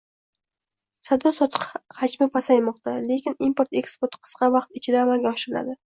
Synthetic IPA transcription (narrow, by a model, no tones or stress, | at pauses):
sad̪ɒsɒt̪ʰɨ̥qhad͡ʒmɪpʰasajmɒq̚t̪ʰale̞kʲɪnimpoɾt̪e̞kspoɾt̪qʰɨ̥sqʰɑvɑqt̪ɪt͡ʃʰɪd̪aːmalɡʲaɒʃɪɾɪla̰d̪ɪ